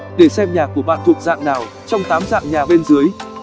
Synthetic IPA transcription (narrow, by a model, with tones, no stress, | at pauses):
ɗe˧˩sɛ˧mɲaː˨˩ku˧˩əɓa̰ː˧˨nt̪ʰu˨˩ək̚za̰ː˧˨ŋnaː˨˩w | t͡ɕɔ˧wŋ͡mt̪aː˨˦mza̰ː˧˨ŋɲaː˨˩ɓe˧nzɨ˨˦əj